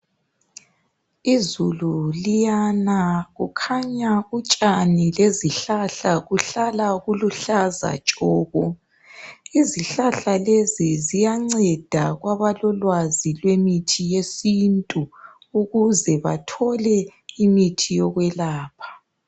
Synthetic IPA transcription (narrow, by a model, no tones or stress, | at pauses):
izululijanaɣukʰaɲaut͡ʃʼanileziɬaɬaɣuɬalaɣuluɬaza̰t͡ʃʼɔːɣɔ | iziɬaɬalezizijaŋ͡ǀɛd̥ʱaɣwaβalɔlwazilwemitʰijesintʼu | uɣuzɛβatʰɔlɛimitʰijɔɣwɛlaːpʰḁ